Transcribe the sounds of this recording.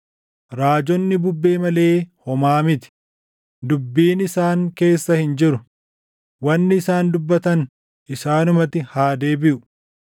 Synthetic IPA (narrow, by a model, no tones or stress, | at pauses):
ɾaːd͡ʒɔnːɪbʊbːe̞ːmɐle̞ːhɔmaːmɪt̪ɪ̥ | d̪ʊbːiːnɪsaːŋke̞ːsːɐhɪnd͡ʒɪɾʊ | wɐnːɪːsaːnd̪ʊbːɐt̪ɐn | ʔɪsaːnʊmɐt̪ɪhaːd̪e̞ːbɪʔʊ̥